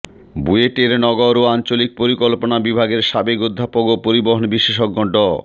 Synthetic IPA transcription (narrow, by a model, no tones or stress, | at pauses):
bueʈeɾnɔɡoɾoant͡ɕolik̚poɾikolponabibʱaɡeɾʃabekod̪ʱːapoɡopoɾiboɦonbiʃːeʃok̚ːɔɳɖɔ